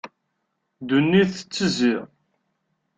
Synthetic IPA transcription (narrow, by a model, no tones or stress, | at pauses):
d̪unːiθə̥t͡sːəziʁ